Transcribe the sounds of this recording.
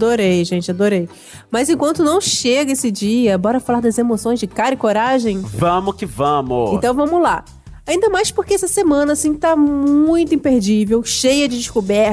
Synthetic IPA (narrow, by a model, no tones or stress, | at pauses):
d̪oɾejʒẽnt͡ʃɪad̪oɾej | mɐzẽkwɐ̃nt̪ʊnɐ̃w̃ʃeɡɐesɪd͡ʒiɐbɔɾɐfalaɾd̪ɐzemosõj̃zd͡ʒɪkaɾɪkoɾaʒẽj̃vɐ̃mʊkɪvɐ̃mʊẽnt̪ɐ̃w̃vɐ̃mʊla | aĩnd̪ɐmajspoɾkeɛsɐsemɐ̃nɐːsĩt̪ammmũj̃t̪ʊĩpeɾd͡ʒivewʃejɐd͡ʒɪd͡ʒiskubɛ